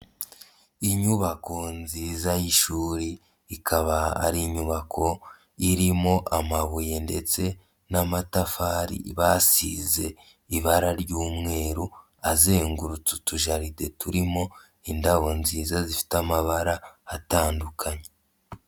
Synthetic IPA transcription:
iɲuβako̞nziːzajiʃuːɾiː | kʰaβaa̰ɾiɲuβakʰo̞ | iɾimo̞ʔamaβuje̞nde̞t͡se̞ | namatafaɾḭβasḭze̞ | iβaɾaɾjuːmŋe̞ːɾu | aze̞ːŋɡuɾut͡su̥tuʒaɾide̞tuɾimo̞ | indaβo̞nziːzazifi̥tamaβaɾaːtaːndukʰaɲe

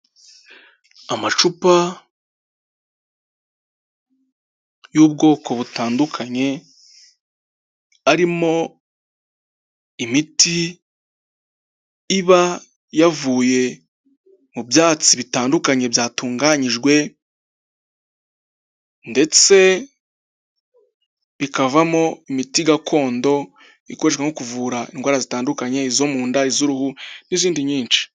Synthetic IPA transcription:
amat͡ʃupa | juːbɡo̞ːko̞βutaːndukʰaɲe̞ | aɾimo̞ | imiti | βa | javuːje̞ | mubjaːt͡siβitaːndukaɲe̞bjaːtuːŋɡaɲiʒɡwe̞ | nde̞t͡se̞ | βikavamo̞imitiɡakʰo̞ːndo̞ | iko̞ɾeʃwaŋokuvuɾaḭnɡwaːɾazitaːndukaɲe̞izo̞muːndaizuɾuhuniziːndiɲiːnt͡ʃi̥

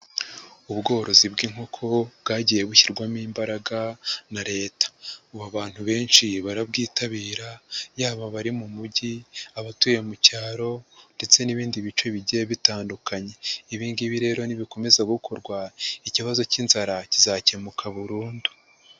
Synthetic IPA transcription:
uβɡo̞ːɾo̞zibɡiːŋ̥o̞kʰo̞bɡaːɟije̞βuçiɾɡwamiːmbaɾaɡanaɾe̞ːtḁuβaβaːn̥huβe̞ːnʃiβaɾabɡiːtaβiːɾajaːβaβaɾimumuɟiaβatuːje̞mucaːɾo̞nde̞t͡se̞niβiːndiβit͡ʃo̞βiɟieβitaːndukaɲe̞iβiːnɡiβiɾe̞ːɾo̞niβiko̞me̞zaɡukʰo̞ɾɡwaiciβazo̞ciːnzaɾacizace̞mukʰaβuɾuːndu

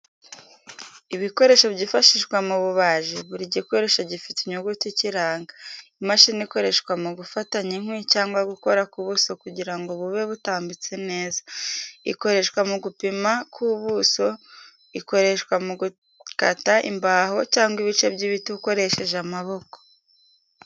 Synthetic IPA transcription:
iβiko̞ɾe̞ʃoβɟifaʃiʒɡwamuβuβaːʒiβuɾiɟiko̞ɾe̞ʃaɟifi̥tiɲuɡuticiɾaːŋɡaimaʃiːniiko̞ɾe̞ʃkwamuɡufataɲiŋ̥wicaːŋɡwaɡuko̞ɾakuβuso̞kuɟiɾaŋɡoβuβe̞βutaːmbit͡se̞ne̞ːzḁḭko̞ɾe̞ʃkwamuɡupimakʰuβuso̞ | iko̞ɾe̞ʃwamuɡu | ka̰taʔḭmbaːho̞caːŋɡiβit͡ʃe̞bɟiβituko̞ɾe̞ʃe̞ʒamaβo̞ko̥

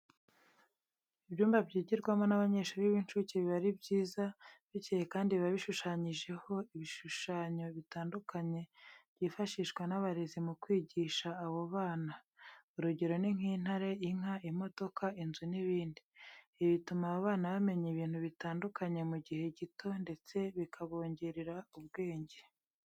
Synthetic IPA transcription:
iβjuːmbabjiːɟiɾɡwamo̞naβaɲe̞ːʃuːɾiβinʃuːciβiβaɾibɟiːzaβiɟihekaːndiβaβiʃuʃaːɲiʒe̞ho̞iβiʃuʃaːɲo̞βitaːndukʰaɲe̞bɟiːfaʃiʃɡwenaβaɾe̞zimukwiːɟiʃaːβoβaːna | uɾuɟe̞ɾo̞niŋ̥hiːn̥haɾe̞iŋ̥aimo̞do̞kʰainzuniβiːndiː | βitumaβaβaːnaβame̞ɲiβiːn̥huβitaːndukaɲe̞muɟihe̞ɟito̞nde̞t͡se̞βikʰaβo̞ːɲɟeɾiɾauβ̚ɡe̞ːɲɟe̞

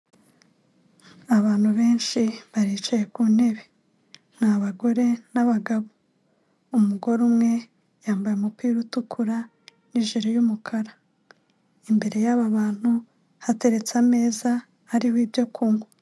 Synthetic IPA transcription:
aβaːn̥huβe̞ːnʃiβaɾiːt͡ʃaje̞kune̞βe̞ | n̥haβaɡo̞ɾe̞naβaɡaβo | umuɡo̞ɾumŋe̞ | jaːmbajeumupiːɾutukʰuɾa | niʒiɾojumukʰaɾa | imbe̞ɾe̞jaβaβaːn̥hu | hate̞ɾe̞t͡same̞ːzaː | ɾihiːbjo̞kʰuːŋɡo

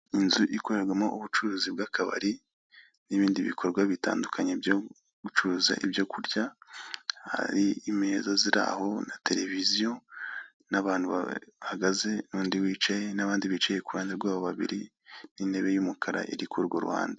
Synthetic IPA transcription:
inzuʔiko̞ɾe̞ɾɡwamoʔuβut͡ʃuɾuːzibɡakaβa̰ɾi | niβiːndiβḭkʰo̞ɾɡwaβita̰ːndukʰaɲebjo | ɡut͡ʃuɾuːza̰ʔibjokʰuɾɟa | ha̰ɾiimezaziɾa̰ho̞natʰe̞ɾe̞vizijo̞ | naβaːnhuβa̰haɡaze̞nuːndiwiːt͡ʃaje̞naβaːndiβit͡ʃajekuwaːndeɾɡwaːβoβaβḭɾi | ninde̞βe̞jumukʰaɾa̰ʔḭɾikuɾɡoɾuwa̰ːnda

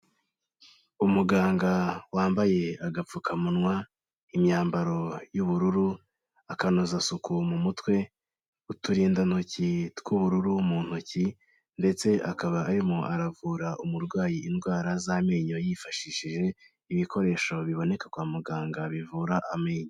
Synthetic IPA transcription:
umuɡaːŋɡawaːmbaje̞aɡap͡fukamunwa | imɲaːmbaɾo̞juβuɾuɾu | akanozasukumumutwe̞ | utuɾindanucitkuβuɾuɾumuːn̥uci | nde̞t͡se̞ʔakaβaʔːɾimoʔaɾavuːɾaʔumuɾɡwaːjiːnɡwaːɾazameɲojifaʃiʃiʒe̞ | iβiko̞ɾe̞ːʃo̞βiβo̞ne̞kḁkwaːmuɡaːŋɡaβivuːɾaʔameːɲo

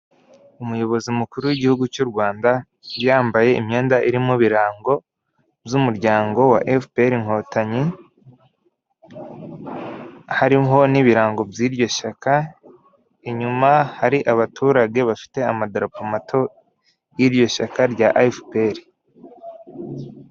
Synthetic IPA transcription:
umujo̞βo̞zimukuɾuwiɟihuɡut͡ʃuɾɡwaːnda | βjaːmbaje̞imɲe̞ːndaʔiɾimuβiɾaːŋɡo̞ | bzumuɾɟaːŋɡo̞wa̰ʔefpeɾiŋ̥ho̞ːtaɲi | haɾiɦo̞niβiɾaːŋɡo̞bjiɾɟo̞ʃaka | eɲumahaɾiʔaβatʰuːɾaɡe̞βafi̥te̞amadaɾapomatʰo̞ | jiɾjo̞ʃakaɾɟaʔfpeɾi

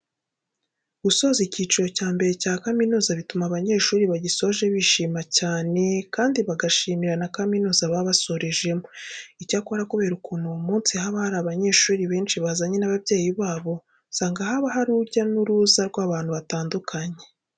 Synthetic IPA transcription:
ɡ̥uso̞ːziciːt͡ʃiɾo̞caːmbe̞ɾe̞caːkaminuːzaβitumaβaɲe̞ːʃuːɾiβaɟiso̞βʒe̞βiʃiːmacaːne̞kaːndiβaɡaʃiːmiɾanakaminuːzaβaβaso̞ɾe̞ʒe̞moicaːkoβaɾakoβe̞ɾukuːnumuːnsihaːβahaɾaːβaɲe̞ːʃuːɾiβe̞ːnʃiβazaɲe̞naβabje̞ːjiβaːβo̞ | saːŋɡaɦaβaɦaɾuɟanuɾuːzaɾɡwaːβaːn̥huβataːndukʰaɲe̞

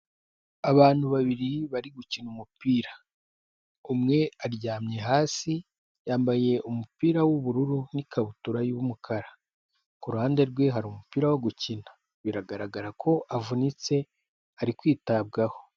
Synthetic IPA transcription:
aβaːn̥huβaβiɾiβaɾiɡucinumupiːɾa | umŋe̞aɾɟaːmɲe̞ɦaːsi | jaːmbaje̞ʔumupiːɾawuβuɾuɾunikʰaβutuɾajuβumukʰaɾa | kuɾuhaːnde̞ɾɡwe̞ɦaɾumupiːɾawoɡucinḁ | βiɾaɡaɾaɡaɾakʰo̞ʔavunit͡se̞ | aɾikwiːtab̚ɡaho̞

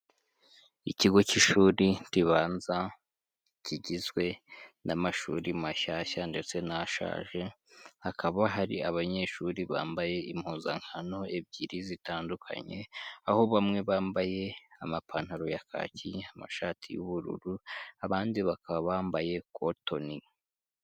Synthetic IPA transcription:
iciɡo̞ciʃuːɾintiβaːnza | ciɟizɡwe̞namaʃṵɾimaʃaçande̞t͡se̞naʃa̰ːʒe̞hakʰaβaɦaɾḭaβaɲe̞ːʃuɾiβa̰ːmbaje̞im̥huːnzaŋ̥hano̞e̞bɟiɾizitaːndukʰa̰ɲe̞̰aho̞βamŋe̞βaːmbaje̞amapʰaːn̥haɾo̞jakʰa̰ːcʰiama̰ʃaːtʰijṵβuɾṵɾuaβaːndiβakʰaβambaje̞koto̞ni

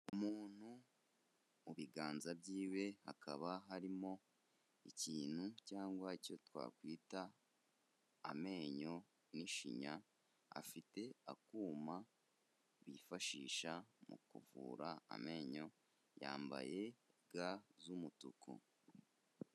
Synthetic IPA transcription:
umuːn̥hu | βiɡaːnzabɟiːwe̞ha̰kaβaɦaɾimo̞ | iciːn̥hucaːŋɡwaico̞twa̰ːkwiːta | me̞ːɲo̞ | niʃḭɲa | a̰fite̞akuːma | βifaʃiːʃamṵkṵvṵːɾaa̰me̞ːɲo̞ | ja̰ːmba̰je̞ɡazumutuko̰

